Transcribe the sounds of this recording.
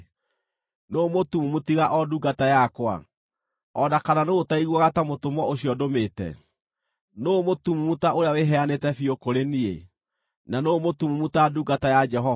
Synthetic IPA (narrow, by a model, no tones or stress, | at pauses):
noːmotumumutiɣaʔɔduɡatajakwa̰ | ɔdakananootaiɣwɔɣatamotomwɔoɕiɔdometɛ̰ | noːmotumumutaʔoɾeaweɦɛanetɛfiokoɾeniḛ | nanomotumumutaduɡatajad͡ʒɛɦɔ